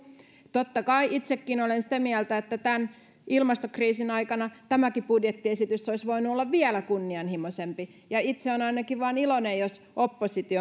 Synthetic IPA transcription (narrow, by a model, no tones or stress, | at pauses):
t̪ot̪ːɑkɑiʔit̪sekːinolensi̥t̪æmiælt̪æet̪ːæt̪æn | ilmɑst̪okriːsinɑikɑnɑt̪æmækipudjet̪ːiesit̪ysːoisʋoinuolːɑʋʋiælækunːiɑnhimosempi | jɑit̪seonɑinɑkiʋʋɑːnilonejjos | ʔopːosit̪io